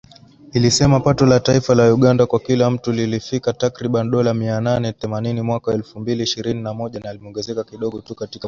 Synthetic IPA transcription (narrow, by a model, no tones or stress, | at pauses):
ilisɛmapatɔlataifalauɠandakwakilam̩tulilifikatakɾiɓaniɗɔlamiananɛθɛmaninimwakaɛlfumbiliːʃiɾininamɔʄanaːlimɔŋɡɛzɛkakiɗɔɠɔtukatika